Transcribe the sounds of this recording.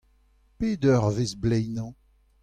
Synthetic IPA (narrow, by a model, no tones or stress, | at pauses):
peːdœʁvezblɛjnɑ̃